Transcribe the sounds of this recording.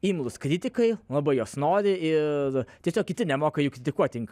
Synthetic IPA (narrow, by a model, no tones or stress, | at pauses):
iːmlˠʊskɾʲɪt̪ʲɪkɐɪlˠɐbɐɪjoːsnoːɾʲɪɪɾt̪ʲiɛsʲoːkʲɪt̪ʲɪnʲɛmoːkɐjʊkɾʲɪt̪ʲɪkuɔt̪ʲɪŋk